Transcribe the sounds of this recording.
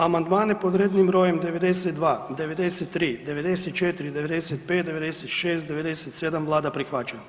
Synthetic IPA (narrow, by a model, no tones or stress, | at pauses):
amand̪maːnjepod̪ɾeːd̪nimɾoːjemd̪eʋed̪eset̪d̪ʋaːd̪eʋed̪eset̪ːɾiːd̪eʋed̪eset̪̚t͡ʃet̪iɾid̪eʋed̪eset̪̚peːt̪̚d̪eʋed̪eset̪ʃeːst̪d̪eʋed̪eset̪seːd̪amʋlˠaːd̪apɾixʋaːt͡ʃen